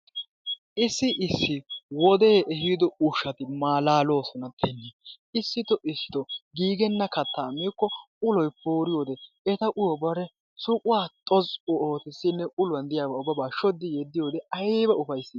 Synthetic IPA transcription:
ʔɪsːɪʔɪsːɪwɔd̪eːɛɦid̪ɔʊʃɐt̪ɪmaːlaːlo̞ːsɔnɐt̪ʰːɛnːɛ | ɪsːɪt̪ɔʔɪsːɪ̥t̪ɔɡiːɡɛnːɐkɐt̪ːaːmiːkːɔ | ʊlɔjpuːɾɪjoːd̪ɛ | ɛt̪ɐʔʊjɔbɐɾɛ | sʊkʼʊwaːt̪ʼɔzʊoːt̪ɪsːɪnːɛʔʊlʊwɐnd̪ɪjaːbaʊbːɐbaːʃɔd̪ːɪjɛd̪ːɪjo̞ːd̪ɛɐjːbɐʊfɐjsːɪ

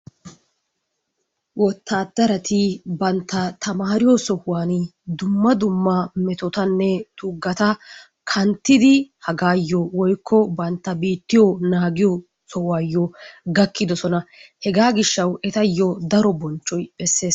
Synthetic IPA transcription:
wɔt̪ːaːd̪ɐɾɐt̪ɪbɐnt̪ːɐt̪ɐmaːɾɪjɔsɔhʊwaːnd̪ʊmːɐd̪ʊmːɐmɛt̪ɔt̪ɐnːɛt̪ʊɡːɐt̪ɐ | kʰɐnt̪ːɪd̪ɪhɐɡaːjːɔwɔjkʰːɔbɐnt̪ːɐbiːt̪ːɪjɔnaːɡɪjɔ | sɔhʊwaːjːɔɡɐkːɪd̪ɔsɔnɐhɛɡaːɡɪʃːɐwɛt̪ɐjːɔd̪ɐɾɔbɔnt͡ʃːɔjbɛsːe̞ːs

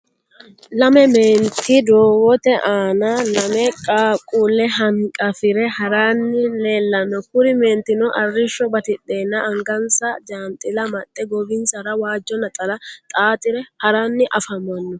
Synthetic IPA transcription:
lɐmɛmeːnt̪ːɪd̪oːwɔt̪ɛʔaːnɐlɐmɛkʼaːkʼulɛɦɐŋkʼɐfɪɾɛhɐɾaːnːɪleːlːɐnːɔkʊɾɪme̞ːnt̪ɪnɔʔɐrːɪʃːɔbɐt̪ɪɗeːnːɐʔɐŋɡɐnsɐd͡ʒaːnt̪ʼɪlɐmɐt̪ʼːɛɡɔbɪnsɐɾɐwaːd͡ʒːɔnːɐt̪ʼɐlɐt̪ʼaːt̪ʼɪɾɛhɐɾanːɪʔɐfɐmɐnːɔ

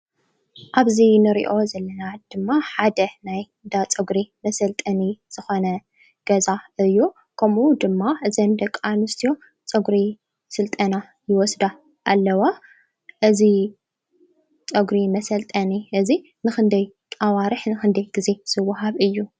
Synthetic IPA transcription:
ʔaβzinɨɾḭʔo̞zɐlːɐnad̪̥ɨmːaħad̪ɐnaj | d̪at͡sʼɐɡɾimɐsɐlt̪ʼɐniz̥ɨxo̞nɐ | ɡ̥ɐzaɨjːu | kʰɐmud̪ɨmːaʔɨzɐnd̪ɐkʼːanɨst̪ʰijo̞ | t͡sʼɨɡɾi | sɨlt̪ʼɐna | jɪwɔsd̪a | ʔalːɐwa | ʔɨzi | t͡sʼɐɡɾimɐsɐlt̪ʼɐniʔɨzi | nɨxɨnd̪ɐjʼ | awaɾɨħnɨxɨnd̪ɐjɡize̞sɨwːʊɦaβɨjːu

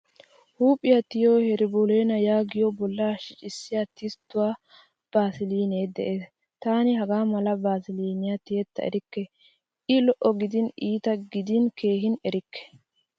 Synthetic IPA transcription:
huːpʼːɪjat̪ɪjoːhɛɾɪbɔleːnɐjaːɡɪjɔbɔlːaːʃɪt͡ʃʼɪsːɪjat̪ɪst̪ːʊwaː | b̥aːsɪliːne̞ːd̪ɛ̰ʔe̞ːs | t̪aːnɪɦɐɡaːmɐlɐbaːsɪliːnɪjat̪ɪjɛt̪ːɐɛ̰ɾɪkːɛ | ɪlɔʔɔɡɪd̪ɪniːt̪ɐɡɪd̪ɪnke̞ːɦɪnɛɾɪkːɛ̥

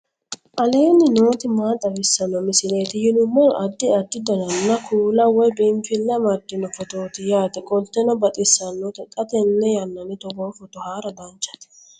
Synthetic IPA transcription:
ʔɐleːnːɪno̞ːt̪ɪmaːt̪ʼːɐbɪsːɐnːɔmɪsɪleːt̪ɪjɪnʊmːɔlʔɐd̪ːɪɐd̪ːɪd̪ɔnɐnːɐkʰuːlɐwɔjbɪmfɪlːɐmɐd̪ːɪnɔfɔt̪oːt̪ɪjaːt̪ɛkʼɔlt̪ːɛnɔbɐt̪ʼɪsːɐnːɔt̪ɛt̪ʼɐt̪ɛnːɛjɐnːɐnɪt̪ɔboːfɔt̪ɔhaːɾɐd̪ɐnt͡ʃːɐ̥t̪ɛ̥

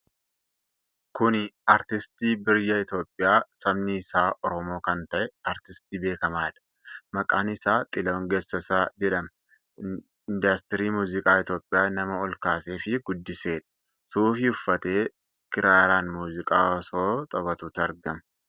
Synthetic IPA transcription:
kʊnɐɾt̪ɪst̪iːbɪɾjɐɪt̪o̞ːpʼːɪjaːsɐbnɪːsaːʔɔɾɔmo̞ːkɐnt̪ɐʔɛɐɾt̪ɪst̪iːbe̞ːkɐmaːᶑɐ̥ | mɐkʼa̰ːnɪsaːt̪ʼɪloŋɡeːsːɐsaːd͡ʒɛᶑɐmɐ | nd̪ɐst̪ɾiːmuːzɪkʼaːɪt̪jo̞ːpʼːɪjaːnɐmɐɔlkaːseːfɪɡʊd̪ːɪse̞ːᶑɐ̥ | suːfɪʊfːɐt̪e̞ː | kɪɾaːɾaːnmuːzɪkʼaːɔso̞ːt̪ʼɐβɐt̪uːt̪ɐɾɡɐmɐ

